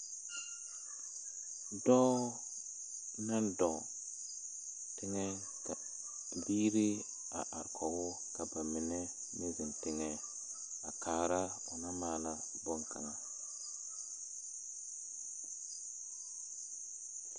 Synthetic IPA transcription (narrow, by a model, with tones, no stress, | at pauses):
dɔː˦ | na˦ndɔ˨ | tɪ˦ŋɛ˦ | ka˨ | biː˦ɾi˦ | a̰˨ʔa˨ɾkʰɔ˨wʊ˦ | ka˨ba˨mɪ˨nɛ˦ | me˦zɪ˨ntɪ˦ŋɛ˦ | a˨kaː˨ɾa˦ | ʊ˨na˦maː˦˨la˦ | bʊ˦ŋka̰˨ŋa˨